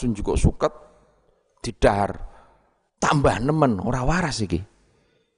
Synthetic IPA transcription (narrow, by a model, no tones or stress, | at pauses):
suɲd͡ʒukoʔsukət̪̚ | d̪̥i̤ɖ̥aɦr | t̪ambaɦnəməno̰ɾawaɾasiki